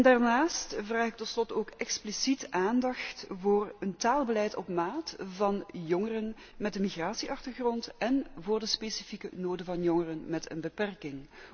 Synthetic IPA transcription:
ndaːrnaːstvraːxɪk̚tɔtslɔtoːkɛksplisitʔaːndɑxtvoːrəntaːlˠbəlɛjtɔ̰pmaːtvɑnjɔŋərən | mɛd̚əmiɣraːsiʔɑxtərɣrɔntɛnvoːrdəspesifikə̰noːdəvɑnjɔŋərənmɛtə̰nbəpɛrkɪŋ

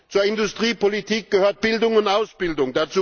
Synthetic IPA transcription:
t͡suːɐɪndʊstʁ̥iːpolitʰiːk̚ɡ̥əhøːɐt̚b̥ɪldʊŋʊntʔaʊsb̥ɪldʊŋdat͡suː

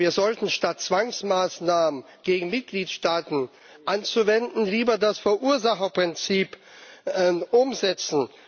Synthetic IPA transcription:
iːɐzɔltn̩ʃtat̚t͡sv̥aŋsmaːsnaːmən | ɡ̥eːɡŋ̩mɪt̚ɡ̥liːtʃtaːtn̩ | ʔant͡suvɛndn̩liːbɐdasfɛɐʔuːɐzaχɐpʁ̥ɪnt͡siːpː | ʔʊmzɛt͡sn̩

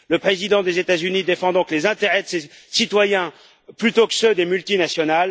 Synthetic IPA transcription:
ləpχezid̪ɑ̃d̪ezet̪azynid̪efɑ̃d̪ɔ̃klezɛ̃t̪eʁɛd̪əsesit̪wajɛ̃ | plyt̪okə̥sød̪emylt̪inasjɔnal

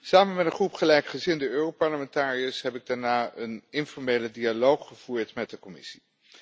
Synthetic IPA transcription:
saːmənmɛtə̃nχrupχəlɛjkχəzɪndəøːropɑɹləmɛntaːriəsɦɛpɪɡ̚daːɹnaːənɪnfɔɹmejlədialowχχəv̥uːɹtmɛt̚dəkɔmɪ̰si̥

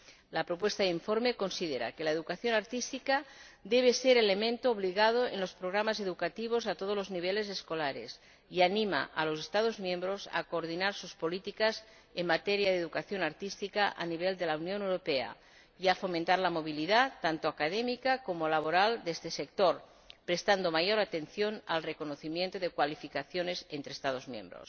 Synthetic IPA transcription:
lapɾopwest̪aðiɱfoɾmeko̞nsiðeɾa̰kelaeðukaθjonaɾt̪ist̪ikad̪eβ̞eseɾelemẽnt̪oːβ̞liɣað̞oḛnlospɾoɣ̞ɾamazeðukat̪iβ̞ozat̪oð̞olozniβ̞elezeskolaɾḛs | ianima̰ʔa̰los̬est̪að̞ozmjẽmbɾoza̰koːɾð̞inaɾsuspolit̪ikas | emmat̪eɾjaðeðukaθjo̞naɾt̪ist̪ikaʔa̰niβ̞eld̪elaunjonewɾopea̰ | iafo̞mẽnt̪aɾlamo̞β̞iliðat̪ːant̪oakaðemikakomolaβ̞oɾald̪est̪esek̚t̪oɾ | pɾest̪and̪omajoɾat̪enθjonalrekonoθimjent̪oðekwalifikaθjonesent̪ɾeːst̪að̞ozmjḛ̃mbɾo̰s

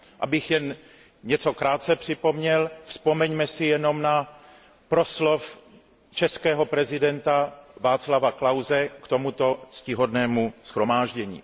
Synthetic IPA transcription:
ʔa̰bɪxjɛn | ɲɛt͡so̞kɾaːt̪̚t͡sɛpr̝̥ɪpo̞mɲɛlfspo̞mɛɲmɛsɪjɛno̞mna | pɾo̞slof | t͡ʃɛskɛːɦo̞pɾɛzɪdɛnt̪avaːt͡slavaklawzɛkt̪o̞mut̪o̞scɪɦodnɛːmusxɾo̞maːʒɟɛɲḭː

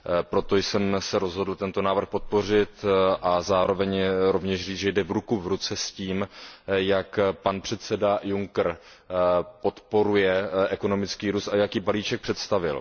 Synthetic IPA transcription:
pɾo̞t̪o̞jsɛmsɛɾo̞zɦo̞dl̩t̪ɛnt̪o̞naːvr̩xpo̞t̪̚po̞r̝ɪt̪ʔazaːɾo̞vɛɲɾo̞vɲɛʃriːʒɛjdɛvɾukuvɾut͡sɛsciːmjakpanpr̝̥ɛt̪t͡sɛdajuŋkr̩ | po̞t̪po̞ɾujɛʔɛko̞no̞mɪt͡skiːɾust̪ajakiːbaliːt͡ʃɛk̚pr̥ɛt̪st̪avɪ̰l

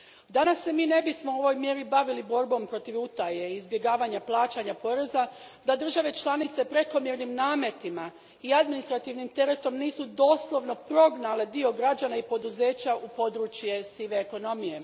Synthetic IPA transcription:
d̪anasːe̞miːne̞bismouo̞ʋojmje̞ɾibaʋilibo̞ɾbo̞mpɾo̞t̪iʋut̪aje̞izbje̞ɡaːʋaɲaplˠaːt͡ʃaɲapo̞ɾe̞zad̪ad̪r̩ʒaʋe̞t͡ʃlˠanit̪se̞pɾe̞ko̞mjeɾnimnaːmje̞t̪ima | iad̪minist̪ɾat̪iʋnimt̪e̞ɾe̞t̪o̞mniːsud̪o̞slˠo̞ʋno̞pɾo̞ɡnale̞d̪io̞ɡɾad͡ʒanaipo̞d̪uze̞ːt͡ɕaupo̞d̪ɾut͡ɕje̞siʋeːko̞no̞mije̞

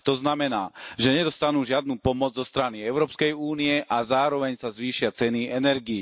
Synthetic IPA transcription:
t̪ɔznamɛnaːʒɛɲɛd̪ɔst̪anuːʒɪad̪nuːpɔmɔd͡zzɔst̪ɾaniɛʊɾɔːpskɛjuːniɛʔazaːɾɔʋɛɲsazʋiːʃɪat͡sɛniɛnɛɾɡiji

